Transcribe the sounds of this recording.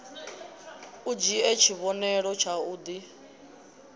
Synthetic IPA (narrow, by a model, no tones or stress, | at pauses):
ud͡ʒiɛt͡ʃʰiβɔnɛɺɔt͡ʃʰauːd̪i